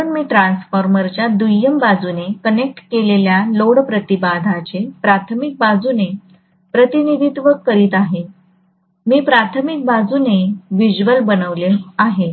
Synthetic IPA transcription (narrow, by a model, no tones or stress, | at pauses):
əɳmiːʈɾansfəɾməɾt͡ɕjad̪ujəmbad͡zunekənek̚ʈkeleljaloɽpɾət̪ibad̪ʱat͡ɕepɾat̪ʰəmik̚bad͡zune | pɾət̪inid̪ʱit̪ʋəkəɾiːt̪aɦe | miːpɾat̪ʰəmik̚bad͡zuneʋid͡ʑʋəlbənəʋleaɦe